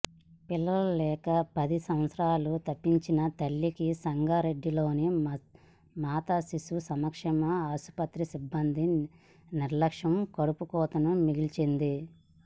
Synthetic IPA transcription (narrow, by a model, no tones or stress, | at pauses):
pilːɐulɛːkɐpɐd̪isɐ̃mɐt̪sɾaːlut̪ɐpːiɲt͡ʃinɐt̪ɐlːikisɐŋɡaɾeɖːilo̞ːni | maːt̪asisusɐmɐkʂɛmɐaːsu̥pɐt̪ɾisibːɐnd̪i | niɾlɐkʂɐmkɐɽupukɔːt̪ɐnumiɡilt͡ʃend̪i